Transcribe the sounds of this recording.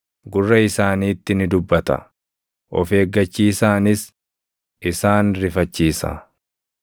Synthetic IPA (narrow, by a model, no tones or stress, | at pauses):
ɡʊrːɐɪsaːniːt̪ːɪnɪd̪ʊbːɐt̪ɐ̰ | ʔɔfe̞ːɡːɐt͡ʃːiːsaːnɪs | ʔɪsaːnɾɪfɐt͡ʃːiːsɐ̰